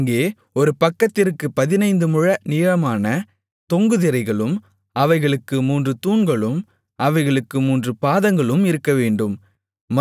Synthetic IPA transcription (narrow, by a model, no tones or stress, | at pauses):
ŋɡeː | ɔɾɯpɐkːɐt̪ːɪɾɯkːɯpɐðɪnɐɪnd̪ɯmʊɻɐniːɻɐmaːnɐ | t̪ɔŋɡɯðɪɾɐɪɣɐɭɯm | ɐʋɐɪɣɐɭɯkːɯmuːndrɯt̪uːnɡɐɭɯm | ɐʋɐɪɣɐɭɯkːɯmuːndrɯpaːðɐŋɡɐɭɯmɪɾɯkːɐʋeːɳɖɯmː | ɐ